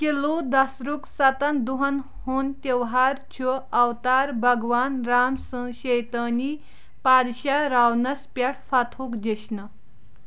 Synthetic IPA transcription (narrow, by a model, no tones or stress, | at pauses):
kelud̪ɐsɾuksɐt̪ɐnd̪uɦɐn | hont̪eʋɦaɾt͡ɕʰuawt̪aɾbʱɐɡʋanɾamsəɕejt̪əni | pad̪ɕaɾawnɐspʲjaʈʰfat̪ʰukd͡ʑeɕnə